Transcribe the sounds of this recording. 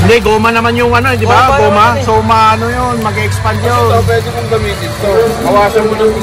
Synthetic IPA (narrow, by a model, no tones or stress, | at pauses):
nd̪ɛɡoːmanɐmanjʊŋʔɐnoɛd̪ɪbaoːmasoːmaɐnojonmɐɡɛɛkspandjoop̬wɛːd̪ɪnʊŋɡ̪ɐmit̪̚d̪ɪnt̪oɐwaːsɐmʊnɐŋ